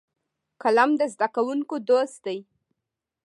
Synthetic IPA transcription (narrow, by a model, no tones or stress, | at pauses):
kalamd̪əzd̪akawunkod̪ost̪̚d̪aj